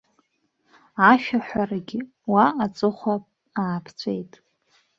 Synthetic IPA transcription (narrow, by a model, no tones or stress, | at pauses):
aʃᶣaħʷᶣaraɡʲɪ | waːt͡sʼɨχʷapʼ | aːpʰt͡sʷʰejtʼ